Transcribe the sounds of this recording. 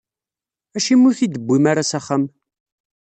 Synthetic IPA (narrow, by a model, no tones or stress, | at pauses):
æʃimːʊθid̪əbʷːimaɾasaχːəm